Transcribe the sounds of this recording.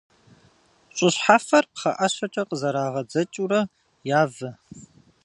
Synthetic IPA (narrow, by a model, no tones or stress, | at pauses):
ɕʼʊɕħafɐrqχɐ̰ʔɐɕɐt͡ʃʼɐqəzɐɾaːʁɐd͡zɐt͡ʃʼuɾɐ | jaːvɐ